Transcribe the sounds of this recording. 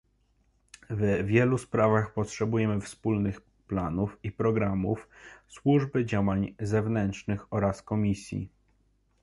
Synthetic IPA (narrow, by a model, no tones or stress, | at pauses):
vvʲjɛluspɾavaxpɔtʂɛbujɛmɘfspulnɘx | planufipɾɔɡɾamṵfswuʐbɘd͡ʑawaɲzɛvnɛntʂnɘxɔɾaskɔmʲisʲjḭ